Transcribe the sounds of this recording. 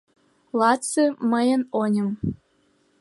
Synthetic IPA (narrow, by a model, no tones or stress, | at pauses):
lˠɑtt͡sɨməjə̆nonʲə̆m